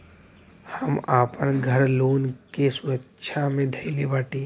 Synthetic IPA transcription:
həmaːpənɡʱəɾloːnkeswətːʃʰamẽd̪ʱəɪlebaːʈiː

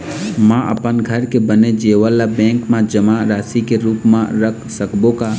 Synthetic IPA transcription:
mãʔə̰pənɡʱəɾkebəned͡ʒeːʋəlabɛ̃ːŋkmãd͡ʒəmaɾaːsikeɾuːpmãɾəkʰsəkbõka

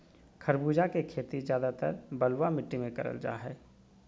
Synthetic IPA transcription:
kʰɐɾbuːd͡ʒakekʰeːt̪izjaːd̪at̪ə̰ɾbɐlwamɪʈːimẽkɐɾə̰ld͡ʒa̰ːɦɛː

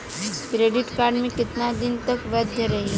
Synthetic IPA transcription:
kɾeɖɪʈkaɾɖmẽkɪt̪nad̪int̪əkʋəd̪ʱjəɾɐɦĩ

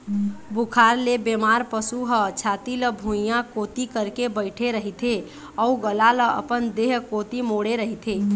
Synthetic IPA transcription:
bukʰaɾlebemaɾpəsuɦət͡ʃʰat̪iləbʱũjãkot̪ikəɾkebəɪʈʰeɾəɦit̪ʰe | ɔuɡəlaləʔə̰pənd̪eɦkot̪imoɽeɾəɦit̪ʰe

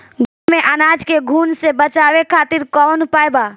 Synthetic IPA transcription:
ɡʱʊmẽʔɐnaːd͡ʒkeɡʱuːnsebɐt͡ʃaːwekʰaːt̪ɪɾkɔːnpaːjbaː

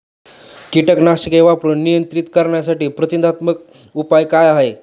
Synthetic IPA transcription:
kiʈəknaɕəkeʋapɾuːnːijənt̪ɾit̪kəɾɳjasaʈiːpɾət̪ind̪ʱat̪mək̚ | upajkajaɦe

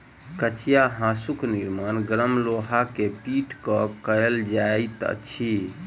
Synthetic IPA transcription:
kət͡ʃijaɦãsukniɾmanɡɾəmloɦakepiʈkəkəjld͡ʒajt̪ə̰t͡ʃʰi

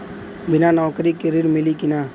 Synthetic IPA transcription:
bɪnanɔːkɾikeɾiɽmɪlikɪnaː

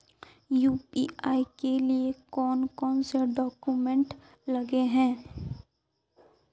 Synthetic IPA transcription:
juːpḭːaːikeliekɔːnkɔːnseɖɔːkumɛ̃ɳʈ | lɐɡeɦɛ̃ː

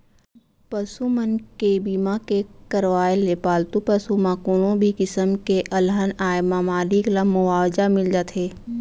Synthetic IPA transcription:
pɐsumənkebiːmãkekəɾʋaːelepaːlt̪upəsumãkuɽõbʱikɪsəmkeʔɐlɦənaːjmamaːliklamʊaːwd͡ʒamɪld͡ʒaːt̪ʰɦeː

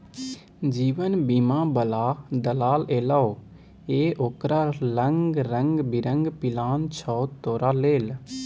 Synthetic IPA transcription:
d͡ʒiːʋənbiːmãːbəlaːd̪əlaːleːlaoː | eːʔoːkɾaːləŋɡɾəŋɡbɪɾəŋɡpɪlaːnt͡ʃʰɔːt̪oːɾaːleːl

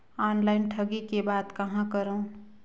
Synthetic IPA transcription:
anlaɪnʈʰəɡikebaːd̪kəɦãkəɾõ

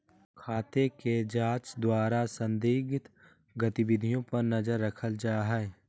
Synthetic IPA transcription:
kʰaːt̪eked͡ʒaːt͡ʃd̪waːɾasə̃nd̪iːɡɪt̪ | ɡət̪ɪbɪd̪ʱijõpɐɾnɐzəɾːəkʰəld͡ʒaːɦɛː

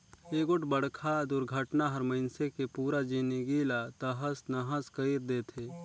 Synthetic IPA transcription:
eːɡʊʈbəɽkʰad̪ʊɾɡʱəʈnaɦɐɾməɪnsekepuːɾad͡ʒiniɡilat̪əɦəsnɐɦəskəiɾd̪eːt̪ʰeː

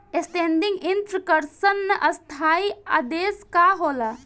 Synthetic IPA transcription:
esʈeːnɖiŋɡint̪ɾəkəɾsənːəʔɐst̪ʰaːia̰ːd̪eːskaɦoːla

